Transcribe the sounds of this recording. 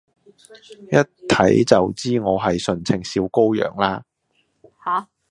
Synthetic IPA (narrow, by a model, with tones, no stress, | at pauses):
jɐ˥t̚t̪ʰɐ˨˥jt͡sɐ˨wt͡siː˥ŋɔː˨˧ɦɐ˨jsɵ˨˩nt͡sʰɪ˨˩ŋsiː˧wko˥wjœ̰ː˨˩ŋlaː˥ | h